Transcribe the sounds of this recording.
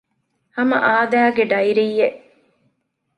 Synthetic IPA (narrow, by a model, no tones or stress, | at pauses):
hɐmɐ̰ʔaːd̪æːɡeɖɐiɾijːeʔ